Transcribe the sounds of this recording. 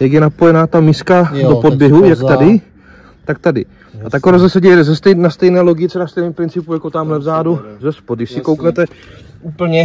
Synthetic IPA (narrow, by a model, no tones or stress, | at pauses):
jaɡjɛnapo̞jɛnaːt̪amiːskadopod̚bjɛɦujakt̪adɪ | t̪ak̚t̪adɪ̰ | ʔat̪akoɾozɛsɛɟɛjɛzɛst̪ɛjnast̪ɛjnɛːlo̞ɡɪt̪sɛɾast̪ɛjnɛmpɾɪnt͡sɪpujakot̪amlɛvzaːduzɛspoddɪʃsɪko̞wknɛt̪ɛ | uːpl̩ɲɛ